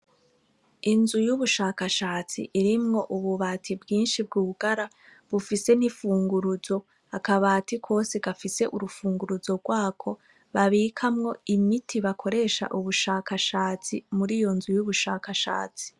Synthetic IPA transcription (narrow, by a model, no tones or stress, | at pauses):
inzujuβuʃaːkaʃaːt͡sḭʔiɾimŋo̞ʔuβuβatʰibɡiːnʃibɡuːβuɡaɾa | βufise̞nifuːŋɡuɾuzo̞ | akaβaːtikʰo̞ːseɡafise̞ʔuɾufuːŋɡuɾuzo̞ɡwaːkʰo̞ | βaβiːkʰamŋo̞imitʰiβakʰo̞ɾe̞ʃa̰ʔuβuʃaːkaʃaːt͡sḭmuɾijo̞nzujuβuʃaːkaʃa̰ːt͡si̥